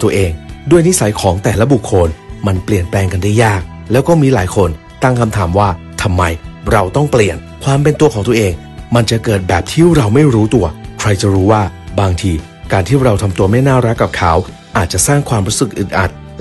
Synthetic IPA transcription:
t̪u˧ɐʔeː˧ŋdu˥˩əjni˦˥sa˨˩˦jkʰɔː˩˦ŋt̪ɛː˨˩la˦˥bu˨˩kʰːo˧nma˧npli˨˩ənplɛː˧ŋka˧nda˥˩jːaː˥˩k̚ | lɛː˦˥wkɔː˥˩miː˧laː˩˦jkʰo˧n | t̪a˥˩ŋkʰa˧mt̪ʰaː˩˦mwaː˥˩ | t̪ʰa˧mːa˧jɾa˧wt̪ɔ˥˩ŋpli˨˩ən | kʰwaː˧mpe˧nt̪u˧ɐkʰɔː˩˦ŋt̪u˧ɐʔeː˧ŋ | ma˧nt͡ɕa˨˩ʔkɤː˨˩t̪̚bɛː˨˩p̚t̪ʰiː˥˩ɾa˧wma˥˩jɾuː˦˥t̪u˧ɐkʰɾa˧jt͡ɕa˨˩ɾuː˦˥waː˥˩baː˧ŋt̪ʰiː˧ | kaː˧nt̪ʰiː˥˩ɾa˧wt̪ʰa˧mt̪u˧ɐma˥˩jnaː˥˩ɾa˦˥kːa˨˩p̚kʰaː˦˩˥w | ʔaː˨˩t̪̚t͡ɕa˨˩saː˥˩ŋkʰwaː˧mɾuː˦˥sɯ˨˩k̚ʔɯ˨˩ʔa˨˩t̪̚

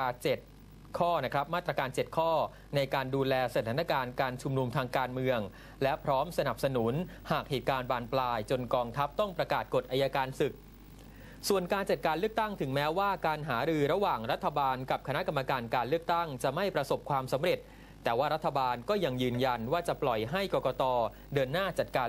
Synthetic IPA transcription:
aː˧t͡ɕe˨˩t̪̚ | kʰɔː˥˩na˦˥kʰɾa˦˥p̚maː˥˩t̪ːɾa˧kaː˧nt͡ɕe˨˩t̪̚kʰɔː˥˩ | na˧jkaː˧nduː˧lɛː˧sa˧t̪ʰaː˩˦na˥˧˩kaː˧nkaː˧nt͡ɕʰu˧mnu˧mt̪ʰaː˧ŋkaː˧nmɯ˧əŋ | lɛ˦˥pʰɾɔː˦˥msa˧na˨˩p̚sa˧nu˩˦nhaː˨˩k̚heː˨˩t̪̚kaː˧nbaː˧˩nplaː˧jt͡ɕo˧nkɔː˧ŋt̪ʰa˦˥p̚t̪ɔ˥˩ŋpɾa˧kaː˨˩t̪̚ko˨˩t̪̚ʔaː˧jaː˧kaː˧nsɯ˨˩k̚ | su˨˩ənkaː˧nt͡ɕa˨˩t̪̚kaː˧nlɯ˥˩ək̚t̪a˥˩ŋt̪ʰɯ˩˦ŋmɛː˦˥waː˥˩kaː˧nɦaː˩˦ɾɯː˧ɾa˧waː˨˩ŋɾa˦˥t̪ʰːa˧baː˧nka˨˩p̚kʰa˧na˦˥ka˧mːa˧kaː˧nkaː˧nlɯ˥˩ək̚t̪a˥˩ŋt͡ɕa˨˩ma˥˩jpɾa˧so˨˩p̚kʰwaː˧msa˩˦mɾe˨˩t̪̚ː | ɛː˨˩waː˥˩ɾa˦˥t̪ʰːa˧baː˧nkɔː˥˩ja˧ŋjɯː˧nja˧nwaː˥˩t͡ɕa˨˩plɔ˨˩jɦa˥˩jkɔː˧kɔː˧t̪ɔː˧ | dɤː˧nːaː˥˩t͡ɕa˨˩t̪̚kaː˧

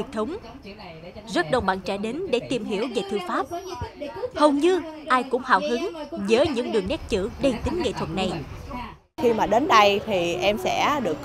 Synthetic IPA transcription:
k̚t̪ʰə˨˦wŋ͡m | zə˦˥t̚ɗə˨˧wŋ͡mɓa̰ː˧˨nt͡ɕaː˧˩ɗe˨˦nɗe˧˩t̪i˨˩mɦi˧˩əwve˨˩t̪ʰɨ˧faː˦˥p̚ | hə˨˩wŋ͡mɲɨ˧ʔaː˧jkʊ̰˧˥ŋ͡mha̰ː˧˨wɦɨ˨˦ŋzəː˨˦ɲɨ̰˧˥ŋɗɨ˨˩əŋːnɛ˦˥t̚t͡ɕɨ̰˧˥ɗe˧˩t̪ï˨˦ŋ̟ŋḛ˧˨t̪ʰwə˨˩t̚na˨˩j | xi˧maː˨˩ɗe˨˦nɗə˧jt̪ʰi˨˩ʔɛ˧msɛ̰˧˥ɗɨ˨˩ək̚

